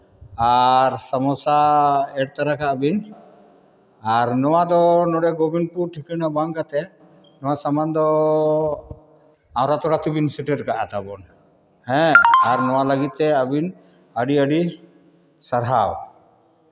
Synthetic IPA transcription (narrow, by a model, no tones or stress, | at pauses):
aɾsamɔsaɛɽ̚t̪aɾakaəbin | aɾnɔwad̪ɔnɔɽɛɡɔbinpuɾʈʰikinabaŋkat̪ɛ | nɔwasamand̪ɔ | ãwɾat̪ɔɽat̪ibinsiʈiɾkaʔat̪abɔn | hɛ̃aɾnɔwaləɡit̪̚t̪ɛabin | əɖiəɖi | saɾɦaw